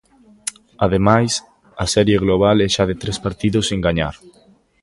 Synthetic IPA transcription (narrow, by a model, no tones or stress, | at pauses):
að̞emajs | ɐsɛɾjeɣloβ̞alɛʃaðet̪ɾespaɾt̪iðoseŋɡaɲaɾ